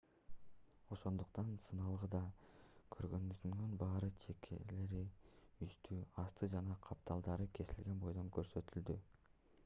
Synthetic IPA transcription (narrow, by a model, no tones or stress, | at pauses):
o̞ʃo̞nd̪uqt̪ɑnsɯnɑlˠʁɯd̪ɑkʰø̞ɾɡø̞nbyzynønbɑːɾɯt͡ʃʰe̞kʰḛle̞ɾiyst̪yɑst̪ʰɯd͡ʒɑnɑqʰɑp̚t̪ʰɑlˠd̪ɑɾɯkʰe̞silɡe̞nbo̞jd̪o̞ŋkø̞ɾsø̞t̪yld̪y